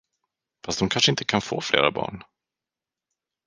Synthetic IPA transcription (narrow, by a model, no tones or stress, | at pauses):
fast̪d̪ɔmkʰanʂəɪnt̪əkʰanfo̰ːflḛːɾa̰bɑ̰ːɳ